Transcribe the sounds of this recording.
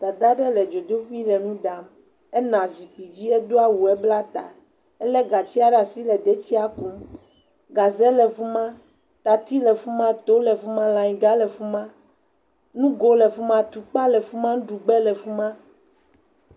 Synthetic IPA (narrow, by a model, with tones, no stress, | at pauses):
d̪̥a˨d̪a˦ɖɛ˦lɛ˨d͡ʒo˨d̪o˦ɸi˦lɛ˨nũ˦ɖa˨m | ɛ˦nã˨zi˨k͡pi˨d͡ʑi˦ɛ˦d̪o˦a˦wu˨ɛ˦bla˦t̪a̰˨ | ɛ˦lɛ˦ɡa˨t͡ɕi˦a˦ɖa˨si˦lɛ˨d̪ɛ˦t͡ɕi˦a˦ku˨˦m | ɡa˨zɛ˦lɛ˨fu˦mã˦ | t̪a˨t̪i˦lɛ˨fu˦mã˦t̪o˦lɛ˨fu˦mã˦lã˨ɲĩ˨ɡa˦lɛ˨fu˦mã˦ | nũ˦ɡo˦lɛ˨fu˦mã˦t̪u˨k͡pa˦lɛ˨fu˦mã˦ñ˦ɖu˨ɡ͡bɛ˦lɛ˨fu˦mã˦